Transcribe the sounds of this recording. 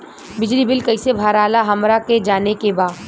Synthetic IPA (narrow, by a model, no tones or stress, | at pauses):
bɪd͡ʒlibɪlkɐisebʱaːɾaːlaɦɐmɾaked͡ʒaːnekebaːd̪